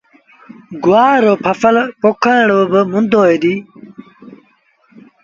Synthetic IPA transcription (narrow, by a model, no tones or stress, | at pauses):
ɡuwaːɾoːpʰɐfɐlpokʰãːɳobəmund̪oːed̪iː